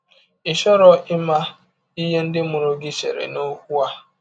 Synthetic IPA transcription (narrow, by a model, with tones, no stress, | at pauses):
ɪ˨ʃɔ˦ɾɔ˨ʔɪ˦ma˦ | i˦ɦe˦n̩˦dɪ˦mʊ˨ɾo˦ɡɪ˦t͡ʃḛ˨ɾḛ˨no˦kʷu˦a˦